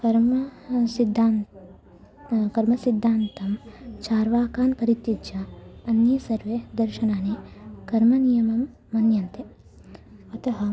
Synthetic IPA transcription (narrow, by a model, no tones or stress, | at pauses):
kɐɾmɐsid̪an | kɐɾmɐsid̪ʱːaːnt̪ɐmt͡ʃaːɾʋaːkaːnkɐɾit̪jidd͡ʒɐɐnjɐsɐɾʋed̪ɐɾʃɐnaːnekɐɾmɐnijɐmɐmː | ɐnjɐnt̪e | ɐt̪ɐɦɐ